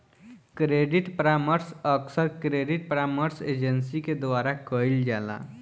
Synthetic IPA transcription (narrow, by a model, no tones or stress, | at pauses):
kɾeɖiʈpɾaməɾsəksəɾkɾeɖiʈpɾaməɾsed͡ʒənsiked̪ʋaɾakəild͡ʒala̰